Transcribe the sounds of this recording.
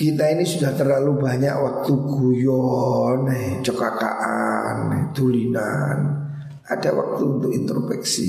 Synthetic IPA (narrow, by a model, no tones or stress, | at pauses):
kit̪ainisudaht̪ərlalubaɲa̰ʔwak̚t̪uɡ̥ujɔnet͡ʃəkaka̰ʔaned̪̥ulinan | ad̥awa̰k̚t̪uunt̪ʊkint̪ɾopɛksḭ